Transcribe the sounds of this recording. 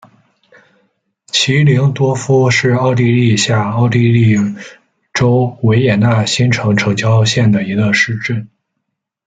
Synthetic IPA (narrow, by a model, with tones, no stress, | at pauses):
t͡ɕʰi˧˥li˧˥ŋt̪wɔ˥fu˥ʂɻ̩˥˧ɑ˥˧ʊt̪i˥˧li˥˧ɕja˥˩ɑ˥˩ʊt̪i˥˧li˥˩ | ʈ͡ʂo˥ʊwe˧˥ɪjɛ˨˩na˥˩ɕi˥nʈ͡ʂʰɤ˧˥ŋʈ͡ʂʰɤ˧˥ŋt͡ɕjɑ˥ʊɕjɛ˥˩nd̪ə˩i˧˥ɡə˧ʂɻ̩˥˧ʈ͡ʂə˥˩n